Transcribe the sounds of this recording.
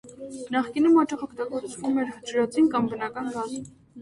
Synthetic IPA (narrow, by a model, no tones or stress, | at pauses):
nɑχkinumɑt͡ʃɑχɔkʰt̪ɑɡɔɾt͡svumɛɾət͡ʃəɾɑt͡sʰinkɑmbənɑkɑnɡɑz